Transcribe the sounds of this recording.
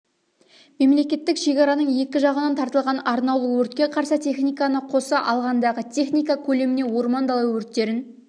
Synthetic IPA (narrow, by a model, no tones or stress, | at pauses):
me̞mle̞kʲe̞t̪ːɪkʃe̞kʲɑɾɑnəɴje̞kʲɪʒɑʁənɑnt̪ʰɑɾt̪əlˠʁɑnɑɾnɑwlˠuwɵɾt̪̚kʲe̞qʰɑɾsət̪ʲʰe̞χnijkɑnəqʰo̞sɑʔɑlˠʁɑnd̪ɑʁət̪ʲʰe̞χnijkɑkʲʰɵle̞mɪne̞wo̞ɾmɑnd̪ɑlˠɑwwɵɾt̪ːe̞ɾɪn